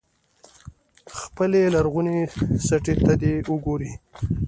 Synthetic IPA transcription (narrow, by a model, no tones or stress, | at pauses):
xpəlelaɾɣunesaʈet̪ad̪euɡoɾi